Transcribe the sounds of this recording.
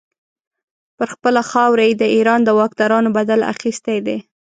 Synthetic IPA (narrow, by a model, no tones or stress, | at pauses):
pəɾxpəlaxɑwɾajd̪əʔiɾɑnd̪əwɑk̚d̪ɑɾɑnobad̪ala̰xist̪ed̪e